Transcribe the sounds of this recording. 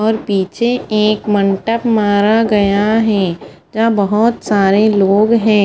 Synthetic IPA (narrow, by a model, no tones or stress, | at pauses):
ɔːɾpiːt͡ʃʰeeːkmɐ̃ɳʈəpmaːɾaɡɐjaɦɛ̃ː | d͡ʒabɐɦʊt̪saːɾeloːɡɦɛ̃ː